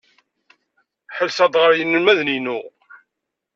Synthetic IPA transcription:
ħəlsɑd̪ʁəɾjənːəlmæðninu

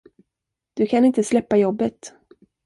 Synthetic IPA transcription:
d̪̥ɵkʰanɪnt̪əslɛpːajɔbːət̪

